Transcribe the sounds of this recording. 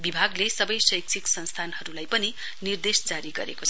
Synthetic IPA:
bibʱaɡlesʌbʌjsʌjk̚t͡sʰiksʌnst̪ʰanɦʌɾulajpʌni | nird̪esd͡zaɾiɡʌɾḛkoʌ

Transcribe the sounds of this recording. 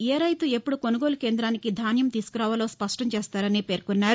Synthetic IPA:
eːɾɐjt̪ue̞pːuɽuko̞nuɡo̞ːluke̞ːnd̪ɾaːnikid̪ʱaːnjɐmt̪iːsu̥kuɾaːʋɐlo̞ːspɐʂʈɐmt͡ʃeːst̪aːɾɐnipe̞ːɾkunːaːɾu

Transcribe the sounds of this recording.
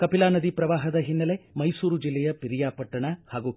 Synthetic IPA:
kɐpilaːnɐd̪ipɾɐʋaːɦɐd̪ɐɦinːɐlemɐjsuːɾud͡ʒilːɛjɐpiɾijaːpɐʈːɐɳɐhaːɡu

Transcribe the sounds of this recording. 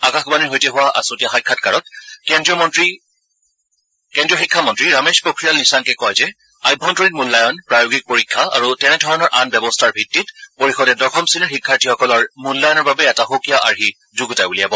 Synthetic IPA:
akaxbaniɦojtɛɦʊwaʔa̰sotijaxajkʰːatkaɹɔtkɛndɹɔtɹi | kɛndijɔxikʰːamɔntɹiɹamespɹokʰɹijalnisaŋkɛkɔjzɛ | ajbʱːɔntɔɹit̚mulːajɔnpɹajoɡik̚poɹikʰːaa̰ɹutɛnɛdʱɔɹɔnɔɹʔanbɛbɔstʰaɹbʱitːitpoɹixɔdɛdɔɹxɔmsinɔɹxikʰːaɹtʰixɔkɔlɔɹmulːajɔnɔɹbabɛɛtaxokijaʔaɹɦi | zuɡutajbulijabɔ

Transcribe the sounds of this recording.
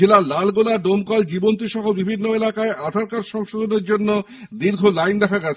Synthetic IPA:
elalalɡolaɖomkald͡ʑibont̪iʃɔɦobibʱinːoelakaeʔad̪ʱaɾkaɾʃɔŋʃod̪oneɾd͡ʑonːo | d̪iɾɡʱolajnd̪ɛkʰaɡɛt͡ɕʰ

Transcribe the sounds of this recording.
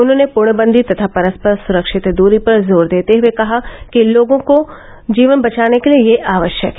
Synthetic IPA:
ʊnɦõːnepʊɾɳ̃əbə̃nd̪ʱit̪ɐt̪ʰapɐɾəspəɾsʊɾəkʃɪt̪d̪uːɾipɐɾzoːɾd̪eːt̪eɦuekɐɦakiloːɡõko | d͡ʒiːʋənbɐt͡ʃaːnekeliejeʔaːʋəʃjək

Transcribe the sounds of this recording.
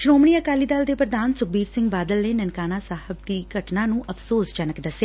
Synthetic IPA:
ʃɾoːmɳiːəkaːliːd̪ald̪eːpɾəd̪aːnsʊk̚biːɾsɪ̃ŋɡbaːd̪əlneːnənkaːnaːsaːhəb̚d̪iːɡʱəʈnaːnũːʔəfsoːsd͡ʒənəkd̪əseː

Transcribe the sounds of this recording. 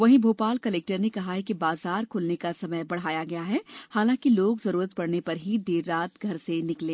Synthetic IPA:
ʋɐɦĩbʱoːpaːlkɐleːk̚ʈəɾnekɐɦaɦɛkibaːzaːɾkʰʊːlnekasɐməjbɐɽ̤aːjaɡɐjaɦɛːhaːlãːkiloːɡzɐɾuːɾət̪̚pɐɽnepɐɾɦid̪eːɾːaːt̪ɡʱɐɾsenɪklẽː

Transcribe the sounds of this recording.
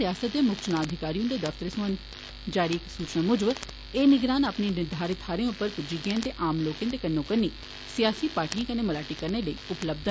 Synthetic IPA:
ɪjaːsət̪̚d̪eːmʊkt͡ʃnãːəd̪ʱɪkaːɾijõːd̪eːd̪əft̪əɾesʊən | d͡ʒaːɾiːɪksuːt͡ʃnãːmʊd͡ʒəʋ | eːnɪɡɾaːnaːpniːnɪɾd̪ʱaːɾɪt̪ʰaːɾẽʊpːəɾpʊd͡ʒiɡẽnt̪eːʔaːmloːkẽnd̪eːkənːõːkənːiː | sɪjaːsiːpaːɾʈiːãːkəneːməlaːʈiːkəɾneːləiːʊpləb̚d̪

